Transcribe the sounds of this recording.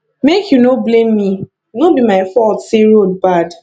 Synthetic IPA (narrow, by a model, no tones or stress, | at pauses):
mekʰjunoblẽmːi | nobimaɪfɔltseɹod̚bad